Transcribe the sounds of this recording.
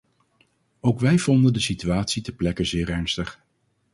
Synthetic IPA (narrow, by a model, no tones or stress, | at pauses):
owkʋɛjv̥ɔndəndəsityaːtsidəplɛkənzɪːrɛɹnstəχ